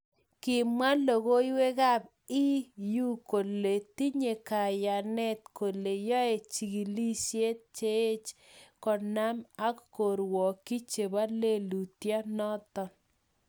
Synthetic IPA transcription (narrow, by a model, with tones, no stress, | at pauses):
kɪ˨ma˦lo˨ɣo˦jwe˦ɣa˦b̚ | ɪ˦ju˦ko˨le˨ti˦ɲe˨ka˨ja˨nɛ˦t̪̚ko˨le˨jɔ˦e˨t͡ʃi˨ɡi˨li˦sje˦t̚t͡ʃe˦e˦t͡ʃ | kɔ˨na˦ma˦kko˨ɾwɔ˨ki˦t͡ʃe˨ba˦le˦lu˨tja˦nɔ˦t̪ɔ˨n